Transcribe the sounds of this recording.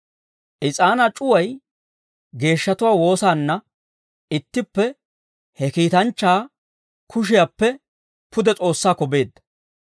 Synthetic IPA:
ʔɪt͡sʼaːnɐt͡ʃʼʊwɐj | ɡe̞ːʃːɐt̪ʊwaːwo̞ːsaːnːɐ | ɪt̪ːɪpːɛ | hɛkiːt̪ɐnt͡ʃːaː | kʰʊʃ̬ɪjapːɛ | pʊd̪ɛt͡sʼo̞ːsːaːkɔbe̞ːd̪ːɐ̥

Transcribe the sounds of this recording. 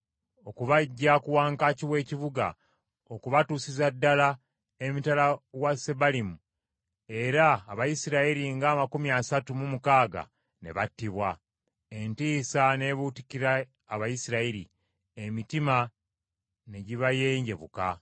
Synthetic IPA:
o̞kuβaɟːakuwaːŋkaciwe̞ːciβuɡa̰ | okuβatuːsizadːala | emitalawasebalimu | e̞ɾaːβajisiɾaiɾiŋɡaːmakumiasatumumukaːɡa̰ | ne̞̰βatːiβwa | e̞ntiːsane̞βutikiɾaː | βajisiɾaiɾḭ | emitima | ne̞ɟiβajeːɲɟe̞βṵka̰

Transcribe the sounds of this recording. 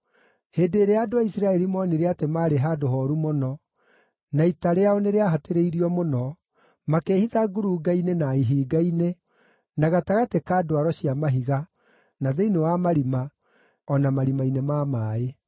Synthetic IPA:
heːdeːɾeadoaisɾaɛɾimɔːniɾeatemaːɾeɦadoɦɔɾumonɔ | naitaɾeaoneɾeaɦateɾeiɾiɔmonɔ | makeːhiðaɡuɾuɡainenaiɦiːɡaine | naɣataɣatekaːdowaɾɔɕiamaɦiɣa | naðeinewamaɾima | ɔnamaɾimainemamaːe

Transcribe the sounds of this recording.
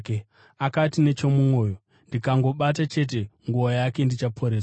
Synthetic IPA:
k | akatine̞t͡ʃo̞mumo̞ːjo̞ | ndikaŋɡo̞ɓat̬at͡ʃe̞t̬e̞ŋɡuojake̞ndit͡ʃapʰo̞ɾeːsa

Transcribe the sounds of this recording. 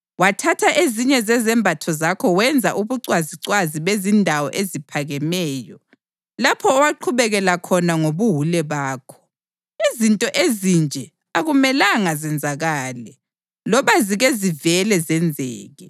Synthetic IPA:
watʰatʰaʔeziɲɛzɛzɛmbʱatʰɔzakʰɔwɛnd͡zʱaʔuβuǀwaziǀwaziβezindʱawɔʔezipʰaɣɛmɛːjɔ | lapʰɔːwaǃʰuβɛɣɛlakʰɔnaŋoβuɦulɛβaːkʰɔ̥ | izintʼɔʔezind͡ʒʱɛ | aɣumɛlaŋazɛnd͡zʱaɣaːlɛ | lɔβaziɣezivɛlɛzɛnd͡zʱɛːɣɛ

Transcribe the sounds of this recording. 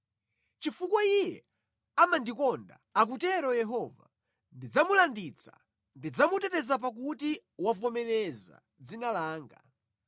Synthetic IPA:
t͡ʃifukwaijɛ̰ | amandikɔnda̰ak̬utɛɾɔjɛɦɔva̰ | ndid͡zamulandit͡sʰḁ̰ | ndid͡zamutɛtɛzapak̬uti | wavɔmɛlɛza̰ | d͡zinalaːŋɡa̰

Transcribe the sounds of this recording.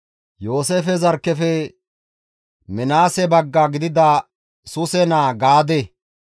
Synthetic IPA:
jo̞ːseːfɛzɐɾkːɛfɛ | mɛnaːsɛbɐɡːaɡɪd̪ɪd̪a | sʊsɛnaːɡaːd̪ɛ

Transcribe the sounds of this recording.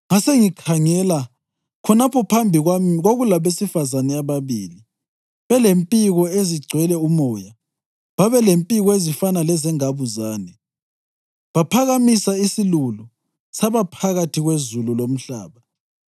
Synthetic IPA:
ŋaseŋikʰaŋɛla | kʰɔnapʰɔpʰambʱiɣoɣulaβesifazanɛaβaβiːli | βɛlempʼiɣɔeziɡ͡ǀʱwɛlɛumɔja | βaβɛlempʼiɣɔezifanalɛzɛŋaβuzaːnɛ | βapʰaɣamisaisilulu | saβapʰaɣatʰiɣwezululom̩ɬa̰ːβa

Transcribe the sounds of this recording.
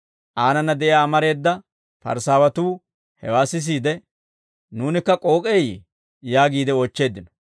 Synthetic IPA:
ʔaːnɐnːɐd̪ɛʔjjaːmɐɾe̞ːd̪ːɐ | pɐ̰ɾsaːwɐt̪uː | hɛwaːsɪs̬iːd̪ɛ | nuːnɪkːɐkʼo̞ːkʼej | jaːɡiːd̪ɛɔt͡ʃːe̞ːd̪ːɪnɔ̥

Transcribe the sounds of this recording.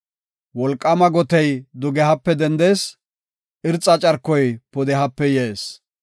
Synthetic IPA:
wɔlkʼːɐmɐɡɔt̪ɛjd̪ʊɡɛɦɐpːɛd̪ɛnd̪eːs | ʔɪɾt͡sʼːɐt͡ʃʼɐɾkːɔjpɔd̪ɛɦɐpːɛjeːs

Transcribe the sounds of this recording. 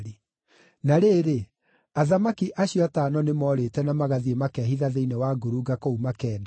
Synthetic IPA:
ɾe | naɾeːɾe | aðamakiʔaɕjɔataːnɔnemɔɾeːtɛnamaɣaðiemakɛɦiðaðeinewaːɡoɾuɡakoumakɛːnda

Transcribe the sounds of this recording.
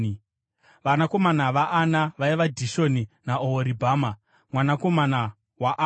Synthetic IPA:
i | ʋanako̞manaʋaʔːnaʋaiʋadʱiʃo̞ninaoɦoɾibʱaːma | mwanako̞mana | waʔ

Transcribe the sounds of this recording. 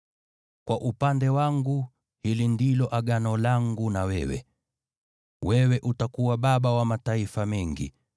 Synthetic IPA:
kwaʔupandɛwaŋɡu | hilindilɔʔaɡanɔlaŋɡunawɛ̰wɛ̰ | wɛwɛʔutakuwaɓaɓawamataifamɛŋɡḭ

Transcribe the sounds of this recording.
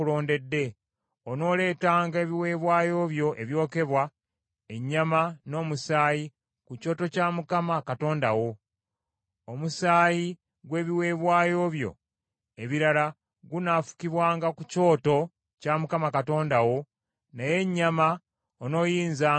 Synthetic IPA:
ulo̞ːnde̞dːe̞ | ono̞ːle̞ːtaːŋɡae̞ːβiwe̞ːβwaːjo̞ːβjo̞ʔeβjo̞ːke̞βwa | e̞ɲːamano̞ːmusaːji | kuco̞ːto̞caːmukamakato̞ːndawo̞ | omusaːji | ɡwe̞ːβiwe̞ːβwaːjo̞βjo̞̰ | eβiɾala | ɡunafu̥kiβwaːŋɡakuco̞ːto̞ | camukamakato̞ːndawo̞ | naje̞ɲːama | ono̞ːjiːnzaː

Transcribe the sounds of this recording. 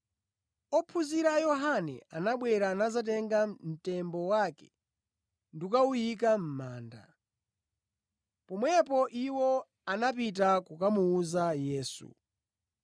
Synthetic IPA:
ɔpʰuziɾajɔɦanɛ̰anaɓwɛɾanazat̬ɛŋɡam̩tɛmbɔwakɛ̥ | ndukaujik̬am̩maːnda̰ | pɔmwɛpɔʔiwɔ | anapit̬akukamuːzajɛːsṵ

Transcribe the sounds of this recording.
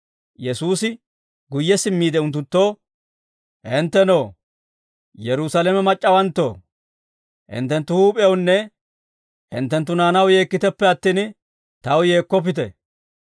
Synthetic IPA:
jɛsuːsɪ | ɡʊjːɛsɪmːiːd̪ɛʊnt̪ːʊt̪ːo̞ː | ʔɪnt̪ːɛno̞ː | jɛɾʊsɐlɛmɛmɐt͡ʃʼːɐwɐnt̪ːo̞̰ː | hɪ̰nt̪ːɛnt̪ːʊhuːpʼɪownːɛ | hɪ̰nt̪ːɛnt̪ːʊnaːnɐwje̞ːkːɪt̪ɛpːɛɐt̪ːiːn | t̪ɐwje̞ːkːɔp̬ːɪt̪ɛ̰

